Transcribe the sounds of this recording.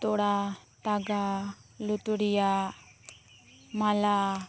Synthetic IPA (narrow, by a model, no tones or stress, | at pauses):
t̪oɽat̪aɡalut̪uɽija | mala